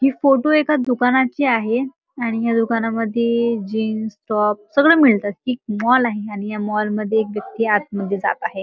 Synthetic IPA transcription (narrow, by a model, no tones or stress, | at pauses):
ɦiːfoʈoekad̪ukanat͡ɕiːaɦe | aɽ̃ijad̪ukanaməd̪ʱːjed͡ʑiːnsʈɔp̚səɡɭeːmiɭt̪at̪̚kiːk̚mɔlaɦeaɽ̃ijamɔlməd̪ʱːjeːk̬ʋjək̚t̪iːat̪̚məd̪ʱːjed͡za̰t̪aɦe